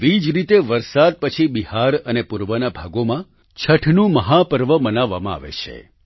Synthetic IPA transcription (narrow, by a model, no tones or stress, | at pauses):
ʋid͡ʒɾit̪eʋəɾsad̪̚pət͡ʃʰibihaɾənepuɾʋənabʱaɡomã | t͡ʃʰəʈʰnũməɦapəɾʋəmənaʋːamãa̰ʋḛt͡ʃʰḛ